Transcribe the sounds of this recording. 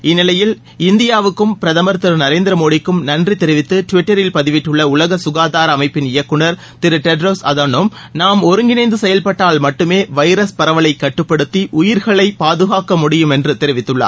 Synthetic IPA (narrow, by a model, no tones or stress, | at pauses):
ɪnːɪlɐjɪl | ɪnd̪ɪjaːʋɯkːɯmpɪɾɐðɐmɐɾt̪ːɪɾnɐɾeːnd̪ɪɾɐmoːɽɪkːɯmnɐndrit̪ɛɾɪʋɪt̪ːɯʈʊʋɪʈːɐɾɪlpɐðɪʋɪʈːɯɭːɐʊlɐɣɐsʊɣaːðaːɾɐːmɐɪpːɪnɪjɐkːɯɳɐɾ | t̪ɪɾɯʈɛɖɾosɐðɐnom | naːmɔɾɯŋɡɪnɐɪnd̪ɯsɛjɐlpɐʈːaːɭmɐʈːɯmeːʋɐɪɾɐspɐɾɐʋɐɭɐɪkːɐʈːɯpːɐɽɯt̪ːiʔʊjɪɾɣɐɭɐɪpaːðɯɣaːkɐmʊɽɪjɯmɛndrɯt̪ɛɾɪʋɪt̪ːɯɭːɐ̰ː